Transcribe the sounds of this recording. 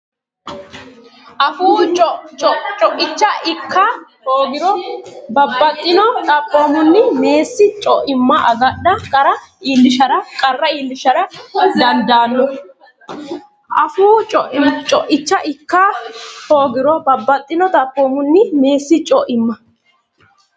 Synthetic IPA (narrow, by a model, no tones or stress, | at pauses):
ʔɐfuːɔt͡ʃɔt͡ʃʼɔʔɪt͡ʃːɐʔɪkʰːɐ | oːɡɪɾɔbɐbːɐt̪ʼːɪnɔt̪ʼɐpʼːo̞ːmʊnːɪme̞ːsːɪt͡ʃʼɔʔɪmːɐʔɐɡɐɗːɐkʼɐɾɐiːlːɪʃɐɾɐkʼɐrːɐiːlːɪʃɐɾɐd̪ɐnd̪aːnːɔ | ʔɐfuːt͡ʃʼɔʔt͡ʃʼɔʔɪt͡ʃːɐʔɪkːɐhoːɡɪɾɔbɐbːɐt̪ʼːɪnɔt̪ʼɐpʼːoːmʊnːɪme̞ːsːɪt͡ʃʼɔʔɪmːɐ